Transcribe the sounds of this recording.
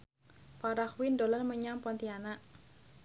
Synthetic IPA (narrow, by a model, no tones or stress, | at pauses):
paɾakwindolɔnməɲampɔnt̪ianaʔ